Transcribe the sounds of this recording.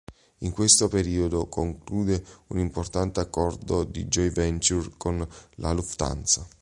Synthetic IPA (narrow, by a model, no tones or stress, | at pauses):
iŋkwest̪opeɾiːod̪okoŋkluːd̪eunimport̪ant̪eakːɔrd̪od̪ḭd͡ʒɔjvɛnt͡ʃurkonlʔa̰luft̪a̰nt̪sa